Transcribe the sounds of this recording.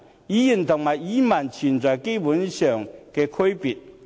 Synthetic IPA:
ji˨˥ji˨˩nt̪ʰʊ˨˩ŋ̚maː˨ji˨˥ma˨˩nt͡ɕʰi˨˩nt͡sɔ˨˩jke˥pu˨˥nɕœː˨˩ŋkɛː˧kʰə˥jpi˨˩t̚

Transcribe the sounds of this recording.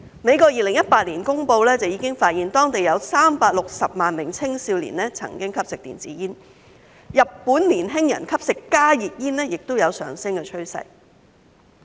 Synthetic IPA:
me˨˧jkɔː˧jiː˧lɪ˨˩ŋjɐ˥t̚paː˧t̚liː˨˩nkʊ˥ŋpo˧wlɛː˥t͡sɐ˨˩wjiː˨˧˥kɪ˥ŋfaː˧t̚jiː˨nt̪ɔː˥ŋt̪e˨jɐ˨˧wsaː˥mpaː˧t̚lʊ˨k̚sɐ˨p̚maː˨nmɪ˨˩ŋt͡sʰɪ˥ŋsiː˧wlḭ˨˩nɛː˥t͡sʰɐ̰˨˩ŋkɪ˥ŋkʰɐ˥p̚sɪ˨k̚t̪ḭː˨nt͡siː˨˥jiː˥n | jɐ˨ppːuː˨˥nliː˨˩nɦɪ˥ŋjɐ̰˨˩nkʰɐ˥p̚sɪ˨kːaː˥jiː˨t̚jiː˥nlɛː˥jɪ˨k̚t̪o˥wjɐ˨˧wsœ̰ː˨˩ŋsɪ˥ŋkɛː˧t͡ʃʰɵ˥ɥsɐ̰˧j

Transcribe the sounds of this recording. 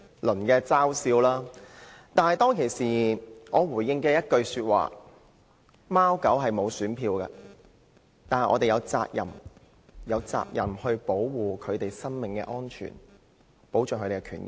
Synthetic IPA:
lɵ˨˩nkɛː˧t͡saː˥wsiː˧wlaː˥t̪aː˨nhɐ˨jt̪ɔː˥ŋkʰe˨˩jsiː˨ŋɔː˨˧wuː˨˩jjɪ˧ŋkɛː˧jɐ˥t̚kɵ˧ɥsyː˧t̚wʔa̰ː˨ | maː˥wkɐ˨˥wɦɐ˨jmo˨˧wsyː˨˥npʰiː˧wkɐ̰ː˧ | t̪aː˨n˩ʔɔ̰˧t̪e˨jɐ˨˧wt͡sa̰ː˧k̚jɐ̰˨˩m | jɐ˨˧wt͡sa̰ː˧k̚jɐ˨˩mhɵ˧ɥpo˨˥wwuː˨kʰɵ˨˧ɥt̪e˨jsɐ˥ŋmɪ˨ŋkɛ̰ː˧ʔɔː˥nt͡ʃʰy̰ː˨˩n | po˨˥wt͡ʃœː˨˩kʰɵ˧t̪e˨˩kːɛ˧kʰyː˨˩nɪ̰˨˩

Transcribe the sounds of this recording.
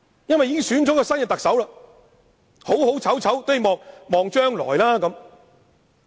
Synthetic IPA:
jɐ˥nwɐ˨jiː˧kɪ˥ŋsyː˨˥nt͡sɔː˨˥kɔː˧sɐ˥njɐ˨t̪k̚sɐ˨˥wla˧ | ho˨˥who˨˥wt͡sʰɐ˨˥wt͡sʰɐ˨˥wt̪o˥ji˨˧mɔː˨˧ŋmɔː˨ŋt͡ʃœː˥ŋlɔ̰ː˨˩jlaː˥kɐ˨˦m

